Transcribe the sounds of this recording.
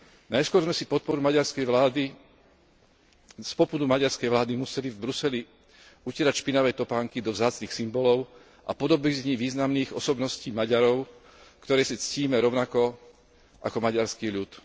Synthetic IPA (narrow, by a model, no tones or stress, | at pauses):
najskʊɔɾzmɛsipɔt̪̚pɔɾumaɟaɾskɛjʋlaːd̪i | spɔpud̪umaɟaɾskɛjʋlaːd̪imusɛlivbɾusɛli | ucɛɾacʃpinaʋɛjt̪ɔpaːŋkid̪ɔvzaːt͡sniːxsimbɔlɔʊ | ʔa̰pɔd̪ɔbizɲiʋiːznamniːɣɔ̰sɔbnɔsciːmaɟaɾɔʊ | kt̪ɔɾɛːsit͡sciːmɛɾɔʊnakɔ | ʔa̰kɔmaɟaɾskiːʎut̪